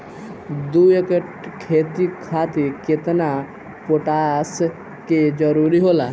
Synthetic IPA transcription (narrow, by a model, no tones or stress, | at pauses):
d̪uekəʈ | kʰeːt̪ikʰaːt̪iket̪na | poʈaːs | ked͡ʒɔɾuɾiɦoːlaː